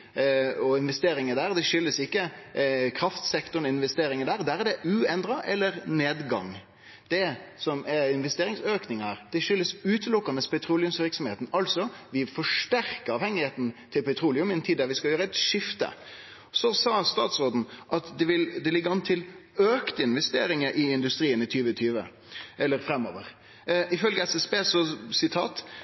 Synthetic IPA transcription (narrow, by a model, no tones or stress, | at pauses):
ɔɪnʋɛst̪eːɾɪŋəd̪æːɾd̪ɛʃʏlːəsɪkːəkʰɾɑft̪sɛkt̪ʊɾnɔɪnʋɛst̪eːɾɪŋəd̪æːɾd̪æɾɛd̪ɛʔʉɛnd̪ɾɑʔɛlːəɾneːd̪ɡɑ̰ŋ | d̪̥ɛsɔmɛɪnʋɛst̪eːɾɪŋsøːknɪŋɑɾd̪̥ɛʃʏlːəsʉːt̪əlʊkːɑnəspʰɛt̪ʰɾuːlɪʉmsʋɪɾksɔmheːt̪n̩ɑlsɔʋɪfɔʂʈæɾkəɾɑːʋhɛŋːɪheːt̪n̩t̪ʰɪlpʰɛt̪ʰɾuːlɪʉmɪɛnt̪ʰiːd̪æɾʋɪskɑljøːɾəɛt̪ʂɪft̪ə̰ | sɔsɑːst̪ɑ̰ːt̪sɾoːd̪n̩ʔɑt̪d̪ɛʋɪld̪ɛlɪɡːəɑnt̪ʰɪløːkt̪əɪnʋɛst̪ḛːɾɪŋəʔɪɪnd̪ʉst̪ɾiːənɪt̪ʰyːʋət̪ʰyːʋə̰ | ʔɛlːəɾfɾɛmːo̰ːʋəɾ | ɪfœlɡəɛsɛsbeːsɔsɪt̪ʰɑ̰ːt̪